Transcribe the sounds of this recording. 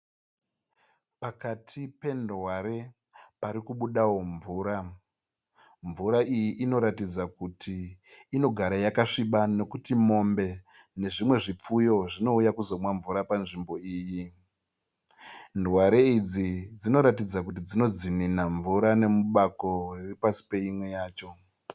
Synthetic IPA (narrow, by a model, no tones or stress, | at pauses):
pakatʰipe̞ndwaɾe̞ | paɾikuɓuɗawo̞ɱvuːɾa | ɱvuɾaijiʔːno̞ɾatid͡zakutʰiː | no̞ɡʱaɾajakaʂiɓano̞kutimo̞mbe̞ | ne̞ʐimwe̞ʐip͡fujo̞ʐino̞ujakuzo̞mwaɱvuɾapanʐimbo̞iːji | ndwaɾe̞id͡zid͡zino̞ɾatid͡zakut̬id͡zino̞d͡zininaɱvuɾane̞muɓako̞riripasi̥pe̞imwe̞jaːt͡ʃo̞